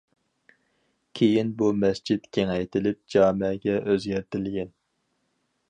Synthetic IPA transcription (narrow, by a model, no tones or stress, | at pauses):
kʲʰejinbumɛsd͡ʒit̪kʲʰeŋɛjt̪ʰɪlɪp̚d͡ʒɑːmɛɡʲɛʔøzɡʲɛɾt̪ʰɪlɡʲɛn